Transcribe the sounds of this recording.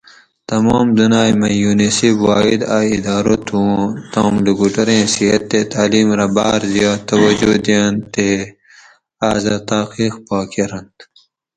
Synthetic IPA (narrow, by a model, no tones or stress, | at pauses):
t̪ɐmoːmd̪unaːjmɐjuːnesibwaːid̪aːid̪aːɾot̪ʰut̪oːmliɡuʈɐɾẽːsiɦɐt̪ːet̪aːliːmɾɐbaːɾd̪ijaːt̪ɐwɐd͡ʒud̪ijant̪e | aːzat̪aːqiːxpaːkiɾɐnt̪